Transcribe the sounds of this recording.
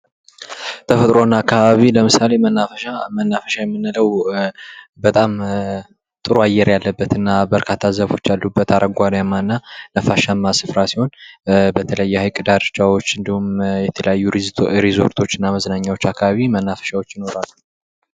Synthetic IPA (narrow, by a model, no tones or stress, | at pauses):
t̪ʰəfət̪ʼɾo̞nːaakʰːaβaβiləmɨsale̞mənːafəʃamənːafəʃajɛmːɨnːɨləw | bət̪ʼam | t̪ʼɨɾoajːɛɾjalːəbːət̪ɨnːabəɾkʰat̪ʰːazəβo̞t͡ʃːjalːubːət̪aɾʔəɡʷad̪jamːanːanəfaʃamːasɨfɾasiho̞nbət̪ʰələjːɛhajkʼɨd̪aɾt͡ʃʼawo̞t͡ʃːɨnd̪ihumjɛt̪ʰələjajːuɾɾezo̞̰ɾt̪ʰo̞t͡ʃːɪnːaməznaɲːawot͡ʃːakʰːaβaβimənːafə̥ʃawo̞t͡ʃːjɪno̞ɾalːu